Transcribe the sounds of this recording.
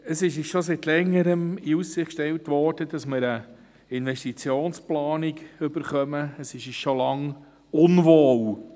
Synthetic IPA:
əsɪʃɪʃosit̪lɛŋːəɾəmiussɪχkʃtɛlwtʋɔːɾd̥əd̥ɑsmɪɾə | ɪnʋɛʃtit͡sjoːnsplɑːniɡʏbəɾχœməəsɪʃɪʃolɑŋ | ʊnvoːw

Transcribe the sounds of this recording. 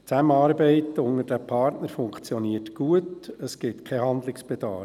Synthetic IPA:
t͡sæməɑːɾbɛɪtʊŋədæpʰɑɾtnəɾfʊŋkt͡sjɔniətɡ̥uətəsɡ̥ɪtkʰɛɦɑnd̪lɪksb̥ɛd̥̪ɑː

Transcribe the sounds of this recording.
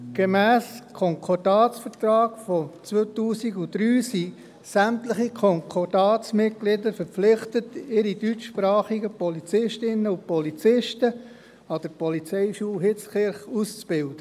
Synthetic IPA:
ɡ̥emæːskʰɔŋkʰɔdɑːt͡ssfəɾt̪ɾɑːɡ̥fɔt͡sʋøtuːsiɡud̥ɾyːsi | sæmtləχikʰɔŋkʰɔrd̥ɑːt͡smɪt̚ɡ̥lɪdəɾfəɾp͡flɪχtətɪɾid̥yt͡ʃʃpɾɑːχiɡəpɔlit͡sɪʃtɪnəʊpɔlit͡sɪʃtə | ɑd̥əɾpɔlit͡sɛɪʃuːlɦɪt͡sχɪɾχust͡sb̥ɪld̥ə

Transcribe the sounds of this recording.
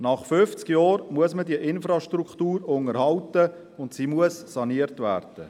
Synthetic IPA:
nɑχfʏft͡skjɔːɾmuəsmədiəʔɪnfɾɑʃtrukχtuːɾʊŋəɾhɑltə | ʊntsiːmuəssɑniəɾtvæːɾd̥ə

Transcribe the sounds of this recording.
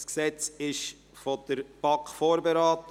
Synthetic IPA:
sksɛt͡sɪʃ | fod̥əɾb̥ɑkfoːɾbeɾɑːt

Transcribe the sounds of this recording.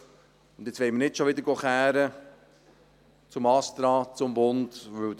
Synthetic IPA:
ʊnd̪jɪt͡sʋɛɪmənɪtʃoʋɪd̪əɾɡoχæːɾə | t͡sʊmɑst̪ɾɑːt͡sʊmbʊndʋɵw

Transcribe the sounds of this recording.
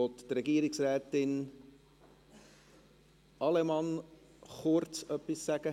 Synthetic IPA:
ɔt̪t̪ɾɛɡiəɾɪksɾɛːtɪn | ʔɑlɛmɑn | χʊɾtt͡sœpːisːæɡ̥ə

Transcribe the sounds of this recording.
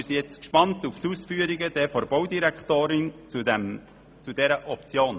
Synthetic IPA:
ɾsijɛt͡skʃpɑnt̪uft̪usfyːəɾiɡəd̥ɛfɔɾbɔwdiɾɛkχt̪oːɾɪnt͡sudɛm | t͡sud̥ɛɾəʔɔp̚t͡sjoːn

